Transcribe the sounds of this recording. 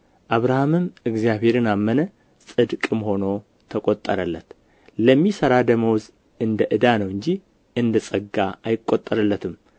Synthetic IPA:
ʔaβɾahamɨmɨkzjaβhe̞ɾɨnamːənə | sʼɨd̪kʼɨmho̞no̞ | t̪ʰəkʼot̪ʼːəɾəlːət̪ | ləmːisəɾad̪əməwz | ɨnd̪əʔɨd̪anəwɨɲd͡ʒi | ɨnd̪əsʼəɡaajɪkʼːot̪ʼːəɾəlːət̪ʰɨm

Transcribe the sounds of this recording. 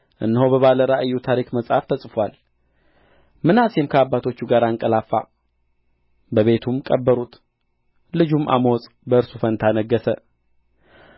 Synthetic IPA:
ʔɨnːhobəβaləɾaʔɨjːut̪ʰaɾikməsʼaft̪ʰəsʼfwal | mɨnasemkʰəabːat̪ʰo̞t͡ʃːuɡaɾaŋkʼəlafːa̰ | bəβe̞t̪ʰumkʼəbːəɾut̪ | lɨd͡ʒumʔa̰mwɔsʼ | bəɨɾsufənt̪ʰanəɡːəsə

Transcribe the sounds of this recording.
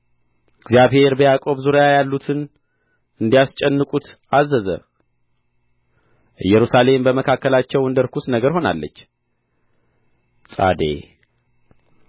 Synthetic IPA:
ɪɡzjaβhe̞ɾbəjakʼo̞βzuɾjajalːut̪ʰɨn | ɨnd̪ijast͡ʃʼɛnːɨkʼut̪ | azːəzə̰ | ʔɨjɛɾusale̞mbəməkʰakːəlat͡ʃːɛwɨnd̪əɾkʰusnəɡəɾho̞na̰lːə̰t͡ʃː | sʼa̰d̪ḛ

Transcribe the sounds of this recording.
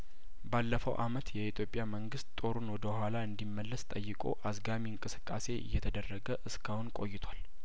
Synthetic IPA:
balːəfə̰wʔamət̪jɛit̪ʰjo̞pʼːjaməŋɡɨst̪t̪ʼo̞ɾunwɔd̪əhʷalaɨnd̪imːəlːəst̪ʼəjːɪkʼo̞̰ʔazɡamiɨŋkʼɨsɨ̥kʼːase̞ɨ̰jːɛt̪ʰəd̪ərːəɡəʔɨskʰahunkʼo̞̰jːɪt̪ʰwal

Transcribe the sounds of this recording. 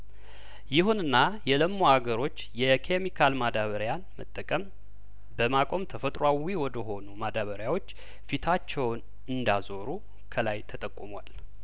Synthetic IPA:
jɪhunɨnːajɛləmːoaɡəɾo̞t͡ʃːjɛkʰe̞mikʰalmad̪aβəɾjanmət̪ʼːəkʼəm | bəmakʼo̞mt̪ʰəfət̪ʼɾoawiwɔd̪əɦo̞numad̪aβəɾjawo̞t͡ʃː | fit̪ʰat͡ʃːɛwn | ɨnd̪azo̞ɾu | kʰəlajt̪ʰət̪ʼəkʼːomal

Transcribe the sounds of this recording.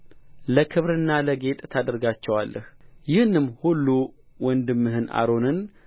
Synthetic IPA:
ləkʰɨβɾɨnːaləɡe̞t̪ʼt̪ʰad̪əɾɡat͡ʃːɛwalːəhjɪhnɨmːhulːu | wɔnd̪ɨmːɨɦɨna̰ɾo̞nɨn

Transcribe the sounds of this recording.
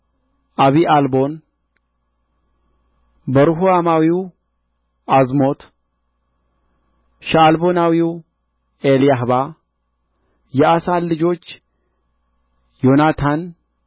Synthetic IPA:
ʔaβiʔalbo̞n | bəɾuɦuamawiw | azmo̞t̪ | ʃaalbo̞nawiw | elijaɦba | jɛʔasanlɨd͡ʒo̞t͡ʃː | jo̞nat̪ʰan

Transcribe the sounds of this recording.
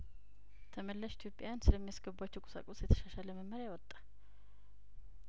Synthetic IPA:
t̪ʰəməlːəʃit̪ʰjo̞pʼejansɨləmːijasɡəbːat͡ʃːɛwkʼu̥sa̰kʼosjɛt̪ʰə̥ʃaʃaləməməɾajawɔt̪ʼːḁ

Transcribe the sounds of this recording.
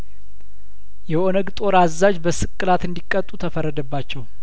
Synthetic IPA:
jɛʔonəɡt̪ʼo̞ɾazːad͡ʒbəsɨkʼːɨlat̪ɨnd̪ikʼːət̪ʼːut̪ʰəfəɾːəd̪əbːat͡ʃːɛw

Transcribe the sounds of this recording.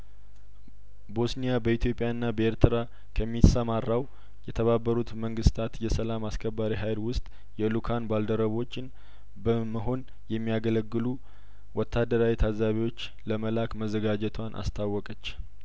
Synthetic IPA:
bo̞snijabəit̪ʰjo̞pʼːjaɨnːabəeɾt̪ʰɨɾa | kʰəmːisəmarːaw | jɛt̪ʰəβabːəɾut̪məŋɡɨst̪ʰat̪jɛsəlamaskʰəbːaɾiɦajlwʊst̪ʼ | jɛlukʰanbald̪əɾəβo̞t͡ʃːɪn | bəməɦo̞n | jɛmːijaɡələɡːɨlu | wɔt̪ʰːad̪ːəɾawit̪ʰazaβiwo̞t͡ʃː | ləməlakməzəɡad͡ʒɛt̪ʰwanʔa̰st̪ʰawːɔkʼət͡ʃː

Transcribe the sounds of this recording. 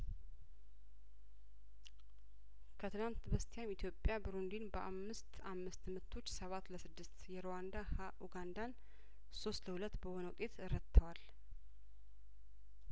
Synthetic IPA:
kʰət̪ʰɨnant̪bəst̪ʰejamit̪ʰjo̞pʼːjabɨɾond̪inbəʔamːɨst̪amːɨst̪mɨt̪ʰo̞t͡ʃːsəβat̪ləsɨd̪ːɨst̪jɛɾowand̪a | ʔuɡand̪an | so̞st̪ləhulət̪ːbəhonəwt̪ʼe̞t̪ɨɾət̪ʰːəwal

